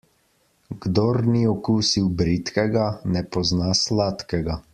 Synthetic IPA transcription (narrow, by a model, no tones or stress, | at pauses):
ɡd̪ɔɾniɔkuːsiwbɾit̪kɛɡanɛpɔznaslat̪kɛɡa